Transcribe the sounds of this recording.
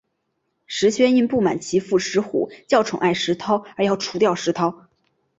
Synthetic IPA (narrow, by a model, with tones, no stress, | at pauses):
ʂɻ̩˧˥ɕɥɛ˥ni˥˧npu˥˩ma̰˨˩nt͡ɕʰi˧˥fu˥˩ʂɻ̩˧˥xṵ˨˩t͡ɕjɑ˥˩ʊʈ͡ʂʰʊ˨˩ŋʔa˥˩ɪʂɻ̩˧˥t̪ʰɑ˥ʊə˞˧˥jɑ˥˧˩ʊʈ͡ʂʰu̥˧˥t̪jɑ˥˩ʊʂɻ̩˧˥t̪ʰɑ˥ʊ